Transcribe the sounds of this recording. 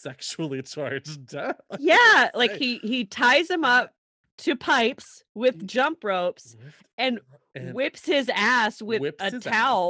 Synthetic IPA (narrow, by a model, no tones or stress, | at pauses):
sɛkʃl̩ˠit͡ʃʰaɪd͡ʒdjælaɪkhihitʰaɪzɨ̃mʌp̚ | tʰɨpʰaɪps | wɪðd͡ʒʌ̃mpɹoʊps | ɨ̃n | wɪpshɪzæswɪðətʰaʊlˠ